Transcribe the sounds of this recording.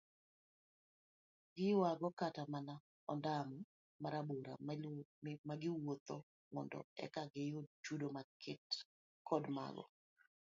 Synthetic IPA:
ɡɪjʊaɡɔkatamana | ɔndamɔ | maɾaboɾa̰ | maɡɪwot̪o | mɔ̰ndɔ̰ɛ̰kaɡɪjot͡ʃudomakʰɪt | kʰɔdma̰ɡɔ̰

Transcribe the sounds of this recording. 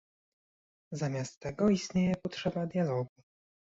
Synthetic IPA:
zamʲjast̪ːɛɡɔist̪ɲejɛpɔtʂɛbad̪jalɔɡu

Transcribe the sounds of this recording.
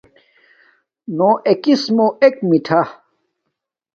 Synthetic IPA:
noʔekismoek̚miʈʰa

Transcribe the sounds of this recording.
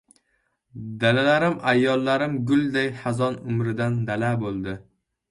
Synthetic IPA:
d̪alalaɾɪmajːɒlːaɾɪmɡʊlˠd̪ajhazɒnʊmɾɪd̪and̪alabolˠd̪ɪ

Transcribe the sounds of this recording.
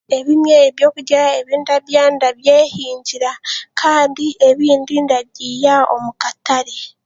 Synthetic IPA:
e̞βimjeːβjo̞ːkuɟaɾaeβiːndaβjandaβjeːhiːɲɟiɾakʰaːndiʔe̞βiːndindaβjijao̞̰mukataɾe

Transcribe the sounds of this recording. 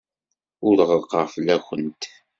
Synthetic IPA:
ʊɾəʁəqːəʁflæxʷənt̪

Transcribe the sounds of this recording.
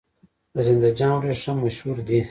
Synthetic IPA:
azɪnd̪ad͡ʒɑ̃ɾeʂamaʃhuɾd̪i

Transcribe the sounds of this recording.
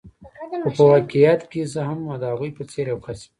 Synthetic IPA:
opəwakijat̪kezəɦamad̪əhaɣujpət͡seɾjawxasi̥

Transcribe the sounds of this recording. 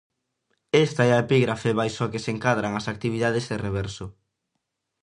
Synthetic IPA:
est̪aɛaepiɣɾafeβajsokeseŋkaðɾaŋɐsak̚t̪iβ̞iðaðezðereβɛɾsʊ

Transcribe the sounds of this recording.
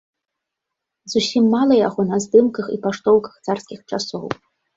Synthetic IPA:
zusʲimːalˠɐjaɣɔnɐzd̪ɨmkɐxipaʂt̪ɔwkɐ̥xt̪sarskʲixt͡ʂasɔw

